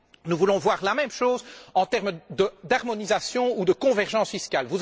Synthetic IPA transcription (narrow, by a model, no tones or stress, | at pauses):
nuvulɔ̃vwaʁlamɛmʃoːzɑ̃t̪ɛʁmd̪əd̪aʁmɔnizasjɔ̃ud̪əkɔ̃vɛʁʒɑ̃sfiskʲalvu